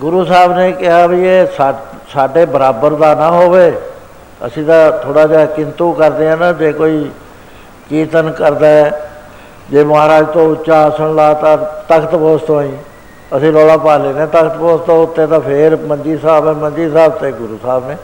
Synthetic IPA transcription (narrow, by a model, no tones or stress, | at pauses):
ɡʊɾuːsaːbneːkɪɦaːbieːsa | saːɖeːbəɾaːbəɾd̪aːnaːɦoːʋeː | ə̰sĩːt̪ãːt̪ʰoːɽaːd͡ʒakɪnt̪ũːkəɾd̪eːãːnaːd͡ʒeːkoːiː | kiːt̪ənkəɾd̪aːɛː | d͡ʒeːmʊɦaːɾaːd͡ʒt̪õːʊt͡ʃʃaːəsəɳlaːt̪ãːt̪əkʰt̪poːst̪õːĩː | əsĩːlɔːlaːpaːleːneːt̪əkʰt̪boːst̪õːʊt̪ːeːt̪ãːpʰɪɾmənd͡ʒiːsaːbɛ̃ːmə̃nd͡ʒiːsaːbt̪eːɡʊɾuːsaːbneː